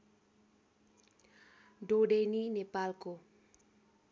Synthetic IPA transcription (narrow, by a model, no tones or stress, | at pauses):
ɖoɖeninepalko